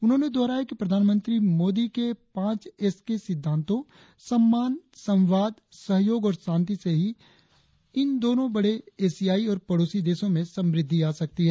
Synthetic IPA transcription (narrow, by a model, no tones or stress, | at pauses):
ʊnɦõːned̪ɔːɾaɦɛkipɾɐd̪ʱaːnmə̃nt̪ɾimoːd̪ikepãːt͡ʃɛskesɪd̪ʱːãːnt̪õ | sɐmːaːnsɐ̃wʋaːd̪ | sɐɦjoːɡɔːɾsãːnt̪iseɦi | ɪnd̪oːnõbɐɽeeːsijaːiɔːɾpɐɽoːsid̪eːsõmẽsɐ̃mɾɪd̪ʱːiaːsɐk̚t̪iɦɛː